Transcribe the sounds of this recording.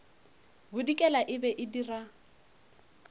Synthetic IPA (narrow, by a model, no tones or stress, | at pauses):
bʊdikʼɛlaʔɪbɛʔɪdira